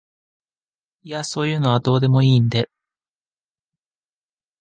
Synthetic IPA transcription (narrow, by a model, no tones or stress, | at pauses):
iaso̞ːjɯ̟ːno̞β̞ad̪o̞ːd̪e̞mo̞iːnd̪e̞